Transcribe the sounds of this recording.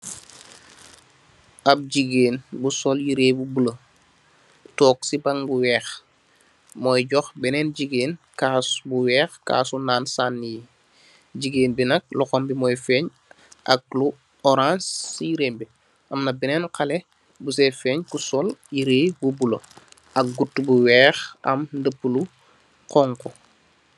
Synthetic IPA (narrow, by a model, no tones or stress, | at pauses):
ɐb̚ɟiɡeːnbusoljiɾeːbubulə | tɔːksibɐŋbuwɛːx | mɔjɟɔxbɛnɛnɟiɡeːnkaːsbuwɛːxka̰ːsunaːnsaːnːiji | ɟiɡeːnbinɐk̚lɔxɔmbimoːjfɛːɲ | ʔɐk̚lu | oɾãnsːiɾeːmbi | ʔɐmnɐbɛnɛːnkale | busefɛːɲkusɔljiɾeːjbubulo | ʔɐk̚ɡutːbuwɛːxʔɐ̰mndəpːulu | kɔŋkɔ